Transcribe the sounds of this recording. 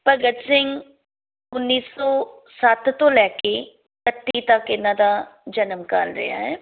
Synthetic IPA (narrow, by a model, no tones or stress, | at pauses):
pəɡət̪sɪŋɡ | ʊnːiːsɔː | sət̪t̪ːõːlɛːkeː | kət̪ːiːt̪akːɪnãːd̪aːd͡ʒənəmkaːlɾɪ̰ja̰ːɦɛː